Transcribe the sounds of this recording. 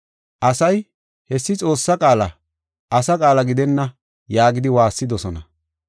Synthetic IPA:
ʔɐsɐj | hɛsːɪt͡sʼo̞ːsːɐkʼaːlɐ | ʔɐsɐkʼaːlɐɡɪd̪ɛnːɐ | jaːɡɪd̪ɪwaːsːɪd̪ɔsɔnɐ̰

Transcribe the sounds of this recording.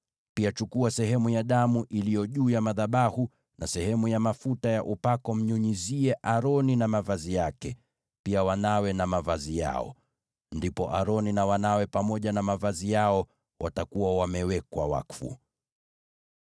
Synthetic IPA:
piat͡ʃukuasɛhɛmujaɗamuʔilijɔʄuːjamaðaɓahu | nasɛhɛmujamafutajaʔupakɔm̩ɲuɲiziɛʔaɾɔninamavazijakɛ | piawanawɛnamavazija̰ɔ̰ | ndipɔʔaɾɔninawanawɛpamɔʄanamavazijaɔ | watakuwawamɛwɛkwawa̰kfṵ

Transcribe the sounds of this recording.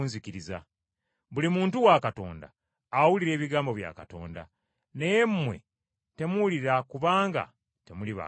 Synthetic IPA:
nzikiɾiza̰ | βulimuːntuwakato̞̰ːnda̰ː | wuliɾe̞ːβiɡaːmbo̞βja̰kato̞̰ːnda̰ | ne̞jemːwe̞̰ | te̞muuliɾakuβaːŋɡa̰ | te̞muliβa̰

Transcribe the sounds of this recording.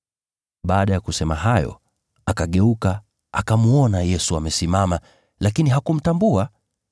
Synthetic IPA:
ɓaːɗajakusɛmaɦajɔ̰ | akaɠɛuka | akamuɔnajɛsuamɛsimama | lakiniɦakum̩tambua

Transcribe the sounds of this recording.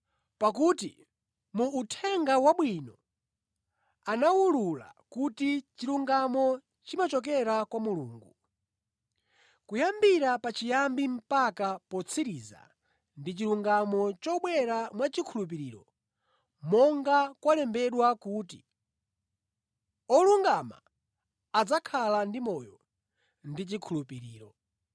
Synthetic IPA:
pakutḭ | muːtʰɛŋɡawaɓwinɔ | anawulula̰kutit͡ʃiɾuŋɡamɔ | t͡ʃimat͡ʃɔk̬ɛɾakwamulṵːŋɡu | kujambiɾapat͡ʃijambim̩pakapɔt͡sʰiɾiza̰ | ndit͡ʃiɾuŋɡamɔt͡ʃɔɓwɛɾamwat͡ʃikʰulup̬iɾiːɾɔ | mɔŋɡakwalɛmbɛɗwakuti | ɔluŋɡama̰ː | d͡zakʰalandimɔjɔ | ndit͡ʃikʰulupiɾiːɾɔ

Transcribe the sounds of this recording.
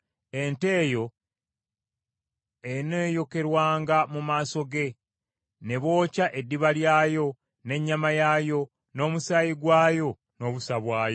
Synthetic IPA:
e̞nte̞ːjo̞ | eneːjo̞ke̞ɾwaːŋɡamumaːso̞ɡe̞ | ne̞βo̞ːcaʔedːiβaljaːjo̞ | ne̞ɲːamajajo̞ | no̞ːmusajiɡwaːjo̞ | no̞ːβusaβwaːjo

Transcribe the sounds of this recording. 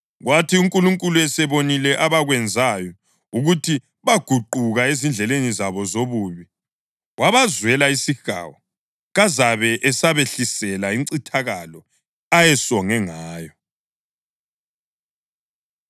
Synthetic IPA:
ɣwatʰiuŋkʼuluŋkʼuluɛsɛβonilɛʔaβaɣwɛnd͡zʱajɔ | uɣutʰi | βaɡ̥ʱuǃuɣaezind͡ɮʱɛlenizaβɔzoβuːβi | wʔaβazwɛlaisiɣa̰ːwɔ | ɣazaβɛʔɛsaβeɬisɛlaiŋǀitʰaɣalɔ | ajɛsɔŋɛŋaːjɔ

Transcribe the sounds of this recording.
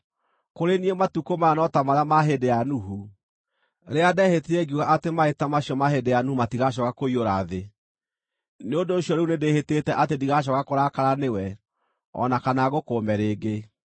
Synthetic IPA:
koɾeniematukomanɔtamaɾeamaɦedejanuɦu | ɾeadɛheteɛɡiuɣaʔatemaetamaɕijɔmaɦedejanuhumatiɣaɕ̬ɔkakoioɾaðe | neondoːsjɔɾeunedehetetɛʔatediɣaʃ̬ɔkakoɾakaɾanewɛ | ɔ̰nakanaɣokoːmɛɾeːɡe

